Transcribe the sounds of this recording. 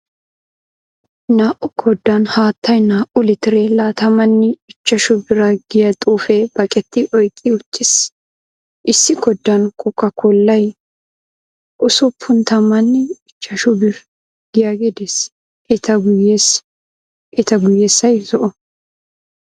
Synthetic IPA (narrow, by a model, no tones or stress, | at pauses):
naːʔʊkʰɔd̪ːɐnhaːt̪ːɐjnaːʔʊlɪt̪ɪɾelaːt̪ɐmɐnːɪɪt͡ʃːɐʃʊbɪɾɐɡɪjɐt̪ʼuːfebɐkʼɛt̪ːɪʔɔjkʼːɪʊt͡ʃːɪs | ʔɪsːɪkɔd̪ːɐnkʼʊkːɐkʰɔlːɐj | ʔʊsʊpʰːʊnt̪ɐmɐnːɪɪt͡ʃːɐʃʊbɪɾ | ɡ̥ɪjaɡɛd̪ɛs | ɛt̪ɐɡʊjes | ɛt̪ɐɡʊjːeːsːɐjzɔʔɔ